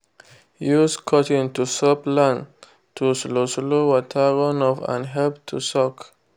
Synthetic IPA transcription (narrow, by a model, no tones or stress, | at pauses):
juskʰɔtĩntusɔplãn | tʰusloslowɔtʰaɹɔ̃nɔfã̰nɦɛlp̚tʰṵsɔk